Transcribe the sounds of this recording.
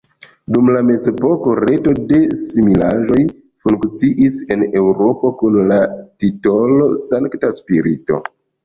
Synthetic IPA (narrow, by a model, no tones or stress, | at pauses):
dumlame̞zepo̞ko̞ɾe̞to̞de̞similaʒo̞j | fuŋkt͡siʔise̞ne̞wɾo̞po̞kunlatito̞lo̞saŋktaspiɾito̞̰